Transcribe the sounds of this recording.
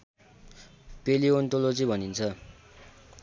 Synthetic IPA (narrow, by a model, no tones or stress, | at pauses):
peliont̪olod͡zibʱʌnint͡sʰʌ